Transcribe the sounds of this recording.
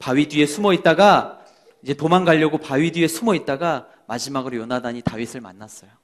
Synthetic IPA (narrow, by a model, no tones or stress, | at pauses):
paɥidɥie̞sʰumʌit̚t͈aɡa | id͡ʑe̞tomanɡaʎːʌɡopaɥidie̞sʰumʌit̚t͈aɡa | mad͡ʑimaɡɯɾojʌnadaɲitaɥisʰɯɭma̰nːas͈ʌjo